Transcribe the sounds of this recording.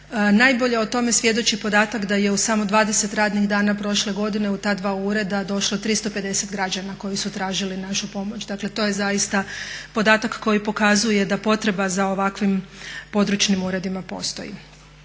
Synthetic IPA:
najbo̞ʎe̞ot̪o̞me̞sʋje̞d̪o̞t͡ʃipo̞d̪aːt̪akd̪aje̞usamo̞d̪ʋaːd̪e̞se̞t̪ɾaːd̪niɣd̪aːnapɾo̞ʃle̞ɡo̞d̪ine̞ut̪aːd̪ʋauɾe̞d̪ad̪o̞ʃlˠot̪ɾist̪o̞pe̞d̪e̞se̞t̪ɡɾad͡ʒanako̞jisut̪ɾaːʒilinaʃupo̞mo̞t͡ʃd̪akle̞t̪o̞je̞zajist̪apo̞d̪aːt̪akkːo̞jipo̞kazuje̞d̪apo̞t̪ɾe̞bazao̞ʋakʋimpo̞d̪ɾut͡ʃnimuːɾe̞d̪imapo̞̰st̪o̞̰jḭ

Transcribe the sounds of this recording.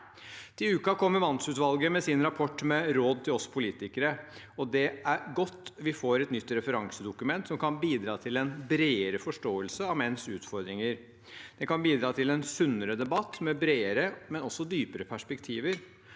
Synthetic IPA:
t̪ʰɪʉːkɑkʰɔmːəɾʋɑnsʉːt̪ʋɑlɡəmɛsɪnɾɑpʰɔʈːmɛɾoːd̪̚t̪ʰɪlɔsːpʰʊliːt̪ɪkəɾə | ɔd̪ɛʔæɾɡɔt̪ːʋɪfoːɾɛt̪nʏt̪ːɾɛfəɾɑŋsəd̪ʊkʉmɛnt̪sɔmkʰɑnbiːd̪ɾɑːt̪ʰɪlɛnbɾeːəɾəfɔʂʈoːəlsəɑʋmɛnsʉːt̪fɔɾd̪ɾɪŋəɾ | d̪̥ɛkɑnbiːd̪ɾɑːt̪ʰɪlɛnsʉnːəɾəd̪ɛbɑt̪ːmɛbɾeːəɾəmɛnɔsːɔd̪yːpəɾəpʰæʂpɛkt̪ʰiːʋəɾ

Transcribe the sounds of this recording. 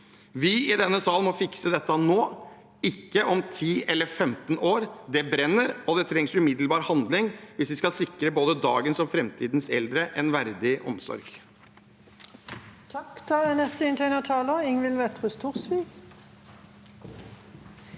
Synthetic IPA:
ʋɪɪd̪ɛnːəsɑːlmɔfɪksəd̪ɛt̪ːənoː | ɪkːəʔɔmt̪ʰiːʔɛlːəɾfɛmt̪noːɾd̪ɛbɾɛnːəɾɔd̪ɛt̪ʰɾɛŋsʉmɪd̪lbɑːɾhɑnd̪lɪŋʋɪsʋɪskɑlsɪkɾəboːd̪əd̪ɑ̰ːɡənsɔfɾɛmt̪ʰiːd̪nsɛ̰ld̪ɾəʔɛnʋæɾd̪ɪʔɔ̰msɔ̰ɾɡ | t̪ʰɑkt̪ʰɑd̪ɛnɛst̪əɪnt̪ʰeɪnət̪ʰɑːləɪŋʋɪlʋɛt̪ʁʉst̪ʰʊʁsʋiːɡ

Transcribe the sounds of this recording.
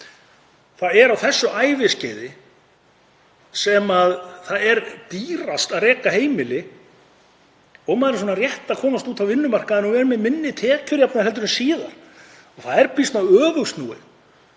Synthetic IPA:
θaðɛɾawθɛsːʏʔaːjvɪscɛːjðɪ | sɛmaðθaðɛɾt̪iːɾast̪aðrɛːkaheːjmɪlɪ | ɔɣmaðɾas̬ɔːnarjɛht̪aðkʰɔːnast̪uːt̪ʰawvɪnːʏmar̥kaɛnːɔvɛɾʏmɛmɪnːɪt̪ʰɛːcʏɾjapnahɦɛlt̪ʏɾʏsiːðaɾ̥ | ɔθaðɛɾpist̪nawœːvʏɣst̪nṵːɪ̰

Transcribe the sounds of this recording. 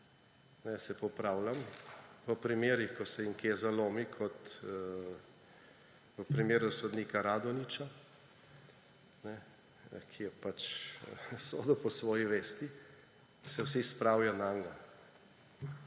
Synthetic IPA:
nɛsɛpɔpɾaːwlamʋəpɾimeːɾixkɔsɛiŋkezaloːmikʰɔt̪ | ʋəpɾimeːɾusɔd̪niːkaɾaːd̪ɔnit͡ʃa | nɛ | kʰijɛpat͡ʃ | soːd̪ɔpɔsʋɔːjiʋeːst̪i | sɛwsispɾawjanaːŋɡa

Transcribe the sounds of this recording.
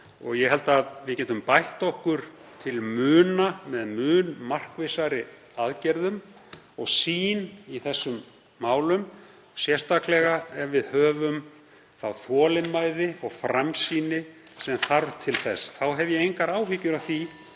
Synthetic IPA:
ɔ̰ɣjɛɦɛl̪t̪aðvɪðcɛːt̪ʏmpajht̪ɔhkʏɾ̥ | t̪ʰɪlmʏːnamɛðmʏːnmar̥kvesaɾɪ | aðcɛɾðʏm | ɔɣsiːniθɛsːʏmː | aːwlʏm | sjɛrst̪ʰaklɛɣaɛɾvɪðhœːvʏm | θawθɔːlɪnmaːjðɪɔɣfɾamsiːnɪsɛmθaɾvt̪ʰɪlθɛsθawɦɛvjɛejŋkaɾaːwɦicːʏɾawθi

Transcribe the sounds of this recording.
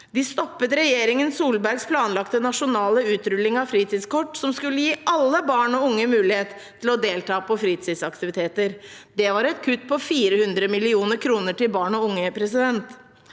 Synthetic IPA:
d̪ɪst̪ɔpːət̪ɾɛjeːɾɪŋənsuːlbæɾɡspʰlɑːnlɑkt̪ənɑʂʊnɑːləʉːt̪ɾʏlːɪŋɑʋfɾiːt̪iːd̪skɔʈːsɔmskʉlːəjiːɑlːəbɑːɳɔʊŋːəmʉːlɪheːt̪ʰːɪlɔd̪eːlt̪ʰɑːpʰɔfɾiːt̪id̪sɑkt̪ɪʋɪt̪ʰeːt̪əɾd̪ɛʋɑɾɛt̪kʰʉt̪ːpʰɔfiːɾəhʉnd̪ɾəmɪlɪuːnəɾkʰɾuːnəʈɪlbɑːɳɔʊŋːəpʰɾɛsɪd̪ɛnt̪

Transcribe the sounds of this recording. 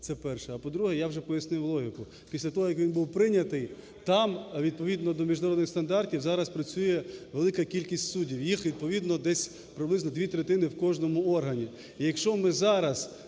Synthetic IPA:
t̪sɛpɛrʃɛɐpɔd̪ɾuɦɛjawʒɛpɔjɐsnɪwlˠɔɦʲɪkʊ | pʲisʲlʲɐt̪ɔɦɔjɐkʋʲinbuwpɾɪnʲɐt̪ɪj | t̪ɑmʋʲid̪̚pɔʋʲid̪nɔd̪ɔmʲiʒnɐɾɔd̪nɪxst̪ɐnd̪ɑrtʲiwzɑɾɐspɾɐt͡sʲujɛʋelˠɪkɐkʲilʲkʲisʲtʲsudʲiwjixʋʲid̪̚pɔʋʲid̪nɔd̪ɛsʲ | pɾɪblˠɪznɔd̪ʲʋʲit̪ɾet̪ɪnɪwkɔʒnɔmʊɔrɦɐnʲi | ijɐkʃt͡ʃɔmɪzɑɾɐz

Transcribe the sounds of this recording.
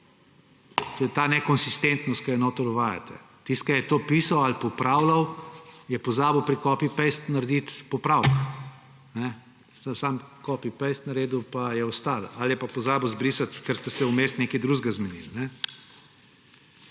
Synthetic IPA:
t̪oːjɛt̪aːnɛkɔnsist̪ent̪nɔst̪̚kaɛnɔːt̪ɔd̪ɔʋaːja̰t̪ɛ̰ | t̪ist̪̚kajɛt̪oːpiːsawalpɔpɾaːwlawjɛpɔzaːbəwpɾikɔːpipɛjst̪naɾd̪it̪pɔpɾawk | nɛ | ssamkɔːpipɛjst̪nɐɾeːd̪uwpajɛɔst̪alaljɛpapɔzaːbəwzbɾiːsat̪kəɾst̪ɛsɛumest̪neːkid̪ɾuʒɡazmɛnḭlnɛ

